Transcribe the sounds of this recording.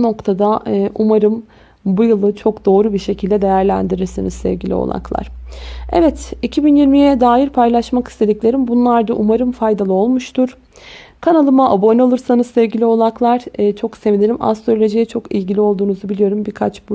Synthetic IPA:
no̞kt̪ʰad̪aːʔumaɾɯm | bujɯlˠɯt͡ʃʰo̞kd̪o̞ːɾubiɾʃe̞cʰilʲd̪ɛd̪e̞jæɾlʲæ̰nd̪iɾiɾsinizsɛ̰vɟilʲḭo̰lˠa̰klˠa̰ɾ̥ɛvɛt̪icʰibinjiɾmijɛd̪aːjiɾpʰajlˠaʃmaki̥st̪ʰe̞d̪iclʲe̞ɾimbunlˠaɾd̪aʔumaɾɯmfajd̪alˠɯo̞lˠmuʃt̪ʰuɾ̥ | kʰanalˠɯmaabo̞nalˠɯɾsanɯzsɛvɟilʲio̞lˠaklˠaɾ̥ːt͡ʃʰo̞kse̞vinʲelʲima̰st̪ɾolʲed͡ʒejɛt͡ʃʰo̞kilʲɟilʲio̞lˠd̪uːnuzubilijo̞ɾumbiɾkʰat͡ʃbu

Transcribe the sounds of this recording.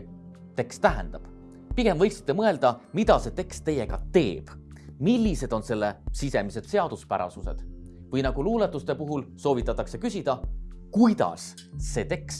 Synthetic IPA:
t̪e̞kst̪æɦḛnd̪̥ɑb̥ | piɡ̥e̞mvɤ̞jksi̥t̪ːˑemɤe̞ld̪̥ɑmid̪̥ɑse̞t̪e̞kst̪ːe̞jeɡ̥ɑ̰t̪e̞ːb̥ | milʲːise̞d̪̥o̞nse̞lːesise̞mise̞d̪̥seɑd̪̥uspæ̰ɾɑ̰suse̞d̪̥ | vɤjnɑɡ̥uluːlet̪ːˑust̪epuɦulso̞ːvit̪ːˑɑt̪ːˑɑkse̞kysʲid̪̥ɑkujd̪̥ɑ̰sː | e̞t̪e̞ks

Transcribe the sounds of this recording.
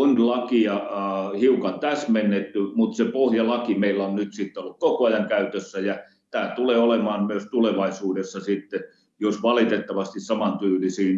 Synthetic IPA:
onlɑkiɑhiukɑnt̪æsmenːet̪ːymut̪sepohjɑlɑkimeilːæonnyt̪sit̪ːeolːukkokoɑjɑŋkæyt̪øsːæjɑ | t̪æːt̪uleːolemɑːmmyøst̪uleʋɑisuːdesːɑsit̪ːe | josʋɑlit̪et̪ːɑʋɑst̪issɑmɑnt̪yːlisiːn

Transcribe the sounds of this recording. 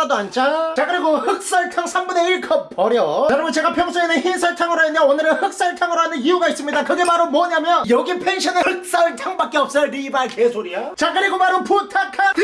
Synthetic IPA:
adoant͡ɕ͈at͡ɕakɯɾiɡohɯk̚s͈aɭtʰaŋsʰaŋbune̞iɭkʰʌpʌɾjʌkɯɾʌmɯnt͡ɕe̞ɡapʰjʌŋs͈ʰoenɯnçinsʰʌɭtʰaŋɯɾoɦenʌonɯɾɯhɯk̚s͈aɭtʰaŋɯɾoɦanɯniuɡais͈ɯmɲidakɯɡe̞maɾomwʌɲamjʌnjʌɡipʰe̞ŋɕʰʌnehɯk̚s͈aʌɭtʰaŋbak͈eʌp̚s͈ʌɭɾibaɭke̞sʰoɾiat͡ɕakɯɾiɡomaɾɯnputʰakʰa

